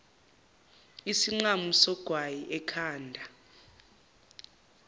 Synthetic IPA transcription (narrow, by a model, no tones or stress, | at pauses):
isiŋ͡ǃamusɔɡ̥ʱwajiʔɛkʰaːndʱa